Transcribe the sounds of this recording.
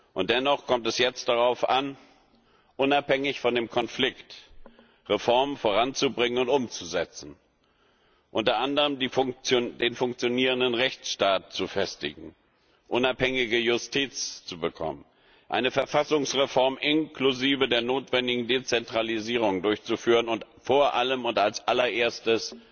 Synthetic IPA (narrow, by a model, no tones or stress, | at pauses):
ʔʊntd̥ɛnɔχkʰɔmtɛsjɛt͡std̥aʁ̞aʊfʔan | ʔʊnaphɛŋɪçfɔndeːmkʰɔnflɪkt | ʁefɔɐmənfoːʁant͡subʁɪŋənʊntʔʊmt͡suzɛt͡sn̩ | ʔʊntɐʔandəʁəmdiʊt͡sodeːnfʊŋk̚t͡sjoniːʁ̞əndənʁɛçt͡sʃtaːt̚t͡sufɛstɪ̰ɡŋ̩ | ʔʊnaphɛŋɪɡəjʊstʰiːt͡st͡subəkʰɔ̰mən | ʔa̰ɪnəfɛɐfasʊŋsʁefɔɐmʔɪnkluziːvədeːɐnoːtv̥ɛndɪɡŋ̩deːt͡sɛntʁ̥aliziːʁ̞ʊŋdʊɐçt͡sufyːʁənʊntfoːɐʔaləmʊntalsʔalɐʔeːɐstəs